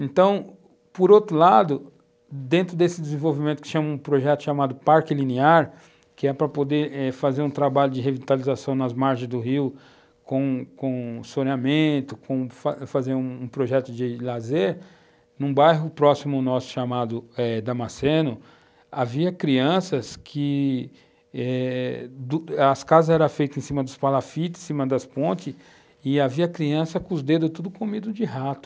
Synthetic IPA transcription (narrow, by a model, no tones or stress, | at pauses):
ẽnt̪ɐ̃w̃ | pʊɾowt̪ɾʊlad̪ʊ | d̪ẽnt̪ɾʊd̪esɪd̪ezẽvowvimẽnt̪ʊkɪ̥ʃɐ̃mɐ̃ũpɾoʒɛt̪ʊ̥ʃamad̪ʊpaɾkɪliniaɾ | kɪɛpɾɐpod̪eɾɛfazeɾũt̪ɾabaʎʊd͡ʒɪɦevit̪alizasɐ̃w̃nɐzmaɾʒẽzd̪ʊɦiw | kõkõsoɾamẽt̪ʊkʰõw̃fafazeɾũũpɾoʒɛt̪ʊd͡ʒɪlazeɾ | nũbajɦʊpɾɔsimʊnɔsʊ̥ʃamad̪ʊɛd̪amasẽnʊ | aviɐkɾiɐ̃sɐskʰɪ | ɛ | d̪uɐskazɐzɛɾɐfejt̪ɐẽsĩmɐd̪ʊspalafit̪ẽsĩmɐd̪ɐspõnt͡ʃ̪ɪs | ɪaviɐkɾiɐ̃sɐkõzd̪ed̪ʊst̪ud̪ʊkomid̪ʊd͡ʒɪɦat̪ʊ̥